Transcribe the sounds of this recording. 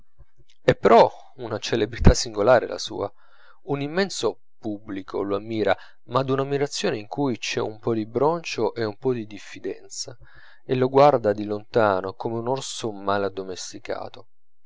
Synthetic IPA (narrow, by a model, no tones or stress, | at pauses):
ɛpːeɾʔɔ | unat͡ʃelebɾit̪asːiŋɡolaːɾḛla̰sṵːa | unimːɛnso | pubːlikʰo̰loamːiːɾa | mad̪unamːiɾat̪sːjoːneiŋkujt͡ʃɛumpɔd̪ibɾɔnt͡ʃoʔeumpɔd̪id̪ifːid̪ɛ̰nt̪sa | eloɡward̪ad̪ilont̪aːnokomeunorsomalad̪omest̪ika̰ːt̪o